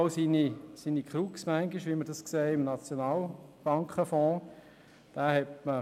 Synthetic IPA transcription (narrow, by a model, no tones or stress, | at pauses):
ʊsinisiːnikʰχɾuksmæŋɡiʃʋiməɾd̥ɑskseːɪmnɑt͡sjonɑːlb̥ɑŋkχəfɔ̃ː | d̪̥æːhɛtmə